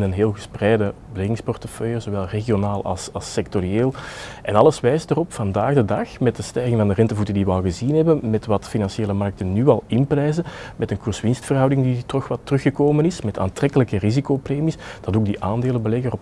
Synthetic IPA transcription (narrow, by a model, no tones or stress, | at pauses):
nənɦeːlˠɣəsprɛjdəbəlɛɣɪŋspɔrtəfœjəzoʋɛlˠreɣionaːlˠɑ̰lˠsɑlˠsɛk̚torieːlˠʔɛnɑlˠəsʋɛjstərɔpfɑndaːɣdədɑxmɛt̚dəstɛjɣɪŋvɑndərɛntəvutəndiʋəɑlˠɣəzinɦɛbənmɛtʋɑtfinɑnseːləmɑrk̚tənnyɑlˠɪnprɛjzəmɛtənkʊrsʋɪnstfərɦɑwdɪŋditɔxʋɑtːərɵxəkoːmənɪsmɛta̰ːntrɛkələkərizikopreːmisd̥ɑtoːɡ̚diʔaːndeːlənbəlɛɣərɔp